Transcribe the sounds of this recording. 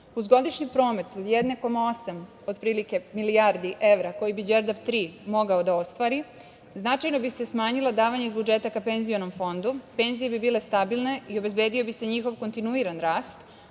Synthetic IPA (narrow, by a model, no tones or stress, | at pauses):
uzɡo̞d̪iʃɲipɾo̞ːme̞t̪od̪jed̪ne̞ko̞mao̞sam | o̞d̪pɾiːlike̞milijaɾd̪iʔe̞ʋɾako̞jibid͡ʒeɾd̪apt̪ɾiːmo̞ɡaod̪ao̞st̪ʋaːɾi | znat͡ʃajno̞bise̞smaːɲilˠad̪aːʋaɲeizbud͡ʒet̪akapenzio̞no̞mfo̞nd̪upe̞nzijebibiːle̞st̪abilne̞io̞be̞zbe̞ːd̪io̞bise̞ɲixo̞ʋko̞nt̪inuiɾanɾaːst̪